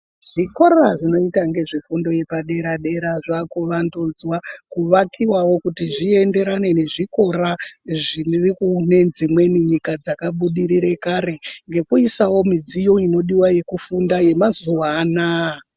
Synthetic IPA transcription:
ʐ̥iko̞raʐino̞itaŋɡe̞ʐifundo̞je̞paɗe̞ɾaɗe̞ɾaʐakuʋandud͡zwakuʋakʰiwawo̞kutiʐie̞nde̞ɾane̞ne̞ʐiko̞raʐinirikune̞nd͡zimwe̞niɲikad͡zakaɓuɗiɾiɾe̞kaːɾe̞ŋɡe̞kuisawo̞mid͡zijo̞ino̞ɗiwaje̞kufundaje̞mazuwaːna

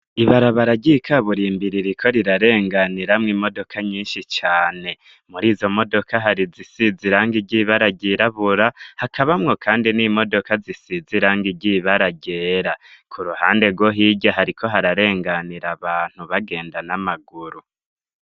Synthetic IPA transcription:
iβaɾaβaɾaɟikʰaβuɾiːmbiɾiɾikʰo̞ɾiɾaɾe̞ːŋɡaniɾamŋiːmo̞do̞kʰaɲiːnʃit͡ʃaːne̞ | muɾiːzo̞mo̞do̞kʰaɦaɾizisiziɾaːŋɡiɟiβaɾaɟiɾaβuɾahakʰaβamŋo̞kʰaːndinimo̞do̞kazisiziɾaːŋɡiɟiβaɾaɟe̞ːɾakʰuɾuhaːnde̞ɡwo̞ɦiɟaɦaɾikʰo̞ɦaɾaɾe̞ːŋɡaniɾaβaːn̥huβaɡe̞ːndanamaɡuɾu

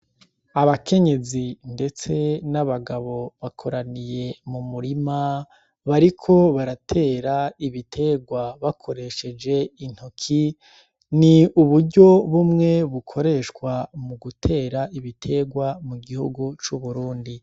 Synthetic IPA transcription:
aβakʰe̞ɲe̞zinde̞t͡se̞naβaɡaβo̞βakʰo̞ɾanije̞mumuɾima | βaɾikʰo̞βaɾatʰe̞ːɾaiβitʰe̞ɡwaβakʰo̞ɾe̞ʃe̞d͡ʒe̞in̥hukʰi | niuβuɾɟo̞βumŋe̞βukʰo̞ɾe̞ʃkwamuɡutʰe̞ːɾaiβitʰe̞ɡwamuɡihṵɡut͡ʃuβuɾuːndi

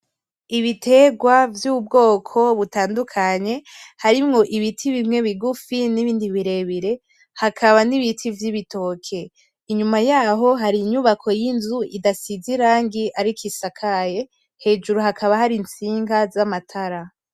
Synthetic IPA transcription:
iβitʰe̞ɡwavjuːβub̚ɡo̞ːkʰo̞βutaːndukʰaɲe̞haɾimŋo̞ʔiβitʰiβimŋe̞βiɡufiniβiːndiβiɾe̞βiɾe̞ | hakʰaβaniβitʰivjiβito̞kʰe̞ | iɲumajaːɦo̞ɦaɾiɲuβakʰo̞jinzuidasiziɾaːŋɡiʔaɾikʰisakʰaje̞ | he̞ːd͡ʒuɾuɦakʰaβahaɾint͡siːŋɡazamatʰaɾa

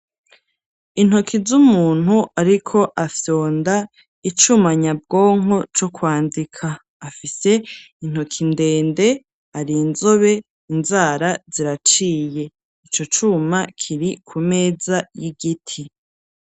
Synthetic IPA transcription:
in̥okʰizumuːn̥huʔaɾikʰo̞ʔafjo̞ːnda | it͡ʃumaɲab̚ɡo̞ːŋɦo̞t͡ʃokwaːndikʰaː | fise̞ | in̥hokʰinde̞ːnde̞ | aɾiːnzo̞βe̞ | inzaːɾaziɾat͡ʃiːje̞ | it͡ʃo̞t͡ʃumakʰiɾikʰume̞ːzajiɡitʰi

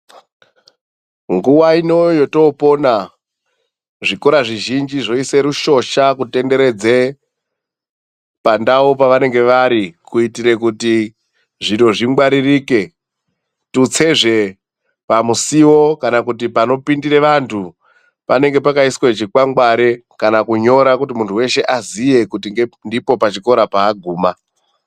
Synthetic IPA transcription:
ŋɡuwaino̞jo̞to̞po̞na | ʐiko̞ɾaʐiʒind͡ʒiʐo̞ise̞ɾuʃo̞ʃakute̞nde̞ɾe̞d͡ze | pandaopaʋane̞ŋɡe̞ʋaɾikuitiɾe̞kuti | ʐino̞ʐiŋɡwaɾiriːke | tut͡se̞ʐe̞ | pamusiwo̞kanakutipano̞pindire̞ʋantʰu | pane̞ŋɡe̞pakaiswet͡ʃikwaŋɡwaɾe̞kanakuɲo̞ɾakutimuntʰuwe̞ʃe̞ʔazije̞kutiŋɡendipo̞pat͡ʃiko̞ɾapaːɡʱuːma

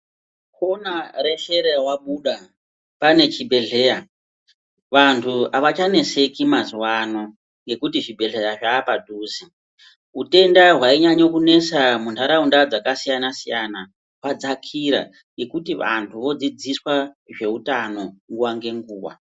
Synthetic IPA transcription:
konare̞ɬeɾewaɓuːɗa | pane̞t͡ʃibʱe̞ɮe̞ːja | ʋantʰuaʋat͡ʃane̞se̞kimazuwano̞ | ŋɡe̞kutiʐibʱe̞ɮe̞jaʐaːpadʱuːsi | ute̞ndaɦwaiɲaɲokune̞samuntʰaɾaundad͡zakasijanasijana | kwad͡zakʰiɾa̰ | ŋɡe̞kutiʋa̰ntʰuʋo̞d͡zid͡ziswaʐe̞utano̞ŋɡuwaŋɡe̞ŋɡuːʋa̰

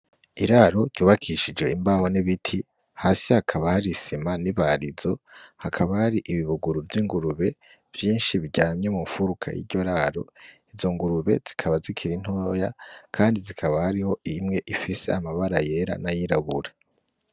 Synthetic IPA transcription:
iɾaɾo̞ɾɟuːβakʰiʃid͡ʒwe̞imbaho̞niβitʰi | haːsihakʰaβahaɾisimaniβaɾizo̞hakʰaβahaɾiʔiβiβuɡuɾuvjiːŋɡuɾuβe̞ | v̥jiːnʃiβiɟaːmɲe̞muɱfuɾukʰa̰jḭɾɟo̞ɾaɾo̞̰izo̞ŋɡuɾuβe̞̰z̥ikʰaβazikʰiɾin̥hoːjakʰaːndizikʰaβahaɾiho̞imŋe̞ʔifise̞̰amaβaɾaje̞ɾa̰najiɾaβuɾa

